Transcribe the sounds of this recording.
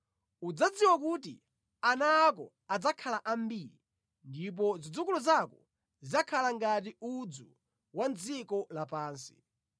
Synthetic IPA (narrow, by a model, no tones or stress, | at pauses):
ud͡zad͡ziwak̬ut̬ḭ | anaːkɔ | ad͡zakʰalaʔambiɾi | ndip̬ɔzid͡zukulɔzakɔ | zizakʰalaŋɡat̬iud͡zu | wand͡zikɔlapaːnsi̥̰